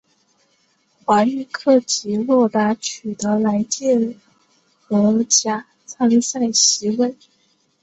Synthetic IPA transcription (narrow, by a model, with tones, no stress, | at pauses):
xwa˧˥y˥˧kʰɤ˥˩t͡ɕi˧˥lwɔ˥˩t̪a˧˥t͡ɕʰy˨˩t̪ɤə˧˥la˧˥ɪt͡ɕjɛ˥˩ | ə˧˥t͡ɕja˥ | t͡sʰa˥ŋ˥˧sa˥˩ɪɕi˧˥wə˥˩n